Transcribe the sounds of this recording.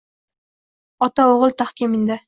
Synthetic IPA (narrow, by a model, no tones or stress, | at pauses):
ɒt̪aoʁəlˠt̪ʰaχkʲɪmɪnd̪ɪ